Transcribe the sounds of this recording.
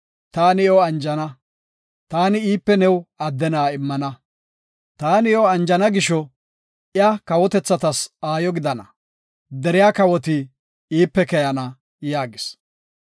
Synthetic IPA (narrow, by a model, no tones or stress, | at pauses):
t̪aːnɪɔɐnd͡ʒɐnɐ | t̪aːnɪiːpːɛnɛwɐd̪ːɛnaːɪmːɐnɐ | t̪aːnɪɔɐnd͡ʒɐnɐɡɪʃɔ | ɪjɐkɐwɔt̪ɛt͡sːɐt̪ɐsaːjɔɡɪd̪ɐnɐ̰ | d̪ɛɾɪjaːkɐwɔt̪ɪ | iːpːɛkɛjɐnɐ | jaːɡɪs